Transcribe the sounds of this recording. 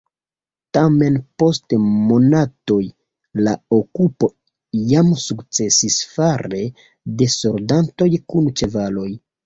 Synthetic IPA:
tame̞npo̞stmo̞nato̞j | la̰okupo̞ | jamsukt͡se̞sisfaɾe̞ | de̞so̞ɾdanto̞jkunt͡ʃe̞valo̞j

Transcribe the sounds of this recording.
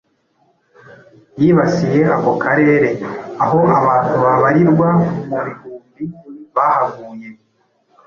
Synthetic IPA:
jiːβasije̞ako̞kʰaɾe̞ːɾe̞aɦo̞aβaːn̥huβaβaɾiɾɡwamuβihuːmbiβahaɡuːje̞

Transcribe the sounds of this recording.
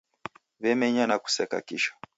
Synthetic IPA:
βɛmɛɲanaku̥sɛka̰kiʃḁ

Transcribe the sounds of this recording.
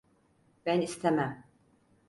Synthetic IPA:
b̥ænist̪ʰemæm

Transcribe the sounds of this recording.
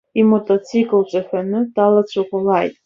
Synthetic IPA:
imotʼot͡sʰikʼalt͡ʃʷʼaħʷᶣanɨdalat͡sʷʰoqʷʼɔlajtʼ

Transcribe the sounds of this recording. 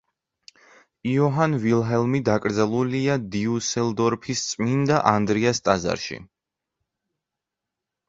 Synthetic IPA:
iɔɦanvilˠɦɛlˠmid̪akʼɾd̪zɛlˠuliad̪iusɛlˠd̪ɔɾpʰist̪sʼmind̪aʔand̪ɾiast̪ʼaza̰ɾʃḭ

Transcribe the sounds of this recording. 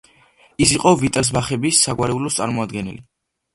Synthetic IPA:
isiqʼɔvit̪ʼɛls̬baχɛbisːaɡwaɾɛulɔst̪sʼa̰ɾmɔad̪ɡɛnḭli

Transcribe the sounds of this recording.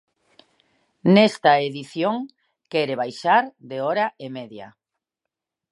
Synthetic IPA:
nest̪aeðiθjoŋ | kɛɾeβajʃaɾd̪eɔɾaʔemeðja̰

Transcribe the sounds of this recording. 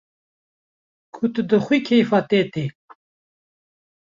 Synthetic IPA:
kʰut̪ɨd̪əxwikʰejfat̪et̪e

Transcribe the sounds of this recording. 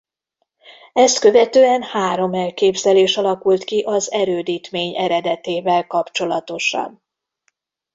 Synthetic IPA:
ɛst̪kø̞vɛt̪øːɛnhaːɾo̞mɛlkeːbzɛleːʃɒlɒkult̪kiʔɒzɛɾøːd̪iːt̪meːɲɛɾɛd̪ɛt̪eːvɛlkɒpt͡ʃo̞lɒt̪o̞ʃɒ̰n

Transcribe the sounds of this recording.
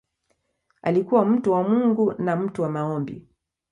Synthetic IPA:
alikuwam̩tuwamuŋɡunam̩tuwamaɔmbḭ

